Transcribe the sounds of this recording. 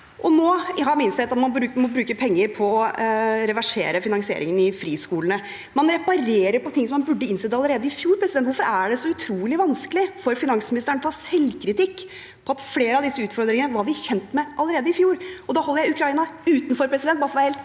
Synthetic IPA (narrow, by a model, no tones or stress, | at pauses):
ʔɔnoːɦɑɾmɪnsɛt̪ːɑt̪mɑnbɾʉːmɔbɾʉːkəpʰɛŋːəɾpʰɔːɾɛʋæʂḛːɾəfɪnɑŋsɪḛːɾɪ̰ŋənɪfɾiːskuːlənə | mɑnɾɛpɑɾeːɾəɾpɔt̪ʰɪŋːsɔmːɑnbʉɖːəɪnsɛd̪əɑlːˠəɾeːd̪əɪfjuːɾpʰɾɛsɪd̪ɛnt̪ʋʊɾfɔɾæɖɛsɔʉt̪ʰɾuːlɪʋɑnskəlɪfɔɾfɪnɑŋsmɪnɪst̪əɾəɳət̪ʰɑːsɛlkʰɾɪt̪ɪkː | pʰɔɑt̪fleːɾəɑʋd̪ɪsːəʉːt̪fɔɾd̪ɾɪŋənəʋɑɾʋɪçɛnt̪mɛʔɑlːˠəɾeːd̪əɪfjuːɾɔd̪ɑːhɔlːəjæɪʉkʰɾɑiːnɑʉːt̪nfɔɾpʰɾɛsɪd̪ɛnt̪̚bɑɾfɔmæɪheːlt̪